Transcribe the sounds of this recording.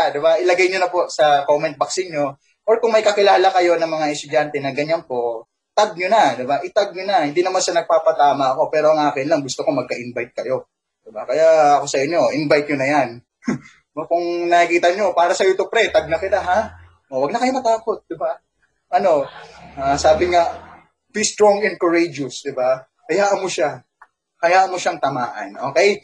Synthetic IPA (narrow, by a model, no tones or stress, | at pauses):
d̪ɪbaʔɪlɐɡɛjɲonɐpo̞ʔsɐkomɛnt̪̚bɐksɪnɲo̞ | ʔoɹkʊŋmɐjkɐkɪlaːlɐkɐjo̞nɐŋmɐŋaʔɛst̪ʊd͡ʒant̪ɛnɐɡɐɲanpo̞ʔ | t̪aɡ̚ɲonad̪ɪbaʔɪt̪aɡ̚ɲonɐhɪnd̪inɐmanʃanɐɡ̚paːpɐt̪aːmɐʔɐko̞pɛːɾo̞ɐŋʔaːkɪnlɐŋɡʊst̪okomɐɡ̚kɐʔɪnbajt̪̚kɐjo̞ | d̪̥ɪbakɐjaʔɐko̞sɐʔɪɲːo̞ʔɪnbajt̪̚ɲonɐjan | okʊŋnɐikiːt̪ɐɲo̞paːɾɐsɐjot̪opɾɛt̪ɐɡ̚nɐkɪt̪aɦa | ʔowɐɡ̚nɐkɐjo̞mɐt̪aːko̞t̪̚d̪ɪba | ʔɐno̞ʔaːsaːbɪŋa | bist̪ɾoŋɛn̚koɹejd͡ʒʊsd̪ɪba | kɐjaːʔmoʃa | kɐjaːʔmoʃaŋt̪ɐmaːʔɐ̰nʔo̞ːkɛj